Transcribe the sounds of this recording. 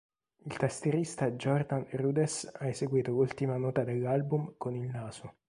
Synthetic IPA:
ilt̪ast̪eɾist̪ad͡ʒɔrd̪anruːd̪esaezeɡwiːt̪olult̪imanɔːt̪ad̪elːalbumkonilnaːso

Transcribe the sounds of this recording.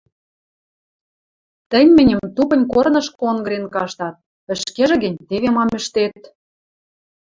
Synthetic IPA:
t̪ə̆nʲmɘ̆nʲə̆mt̪upə̆nʲkornɤ̆ʃkoŋɡɾenkɑʃt̪ɑt̪̚ | ə̆ʃkeʒĕɣɘ̆nʲt̪eβemɑmɘ̆ʃt̪et̪̚

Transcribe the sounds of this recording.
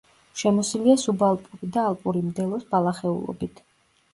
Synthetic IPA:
ʃɛmɔsiliasubalˠpʼuɾid̪aːlˠpʼuɾimd̪ɛlˠɔsbalˠaχɛṵlˠɔ̰bit̪ʰ

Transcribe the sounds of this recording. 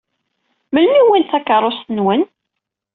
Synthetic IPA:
məlmiwinθækəɾˤosənwən

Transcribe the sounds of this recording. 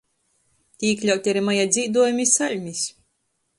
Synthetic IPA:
t̪ʲiiklʲawt̪ʲaɾimajad̪zʲiːd̪uɔjumʲisalʲmʲisʲ

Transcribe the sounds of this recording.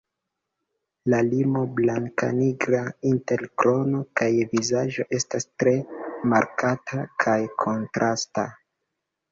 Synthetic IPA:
lalimo̞blaŋka̰niɡɾainte̞lkɾo̞no̞kajvizaʒo̞ʔe̞stastɾe̞maɾkatʰakʰajkʰo̞ntɾʔasta

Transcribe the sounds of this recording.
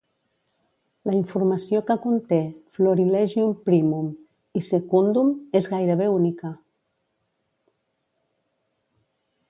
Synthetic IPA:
ləiɱfuɾməsijokəkunt̪efloɾilɛʒiumpɾimum | isekund̪umezɣajɾəβ̞eunikə

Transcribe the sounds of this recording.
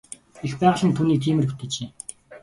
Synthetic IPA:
expæːʁə̆ɮə̆nt̪ʰuniːt̪ʰiːmɘ̆ru̥t̪ɘ̆t͡ɕeː

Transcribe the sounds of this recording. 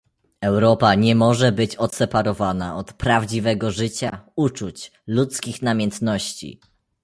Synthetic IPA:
ɛwɾɔpaɲɛmɔʐɛbɘt͡ɕɔt̪sɛpaɾɔvana̰ɔt̪pɾavd͡ʑivɛɡɔʐɘt͡ɕaut͡ʂut͡ɕlut̪skʲixnamʲjɛnt̪nɔɕt͡ɕḭ

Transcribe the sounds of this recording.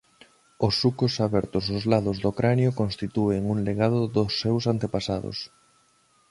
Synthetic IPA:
ʊsːukosaβɛɾt̪ʊsozlaðʊzðokɾʔanjokõnst̪it̪ueŋuŋleɣaðʊðʊsːewsant̪epasaðo̰s

